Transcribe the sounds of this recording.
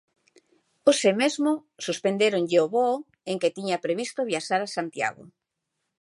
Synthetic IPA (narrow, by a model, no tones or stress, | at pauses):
osemezmʊsuspend̪eɾoŋʎeoβo | eŋket̪iɲapɾeβist̪oβjaʃaɾasant̪ja̰ɣo̰